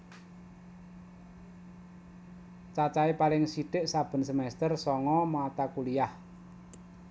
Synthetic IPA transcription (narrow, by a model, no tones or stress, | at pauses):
t͡ʃat͡ʃaipalɪŋsiɖ̥ɪ̤ʔsab̥ə̤nsəmɛst̪ərsɔŋɔmat̪akulijah